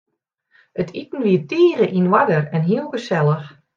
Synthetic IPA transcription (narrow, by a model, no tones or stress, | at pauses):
ətʰitn̩ʋiətiːɣəʔinwadərɛnɦiəlˠɡəsɛlˠəx